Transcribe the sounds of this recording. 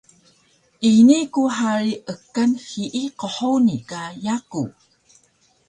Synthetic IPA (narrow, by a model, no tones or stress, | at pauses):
ʔinikuħaɾiʔəkːanhiʔiqoħownikajaku